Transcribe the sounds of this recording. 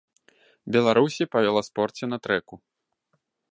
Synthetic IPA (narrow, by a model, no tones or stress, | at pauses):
bʲɛlˠaɾusʲipɐvʲɛlˠaspɔrt͡sʲɛnɐt̪ɾɛku